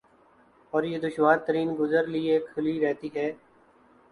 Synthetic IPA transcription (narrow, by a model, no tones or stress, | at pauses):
ɔːɾjeːd̪ʊʃʋaːɾt̪əɾiːnɡʊzəɾliekʰʊliɾɛːt̪iːɦɛː